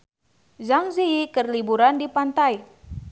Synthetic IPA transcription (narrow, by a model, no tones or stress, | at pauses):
zaŋziikərlibuɾandipant̪aj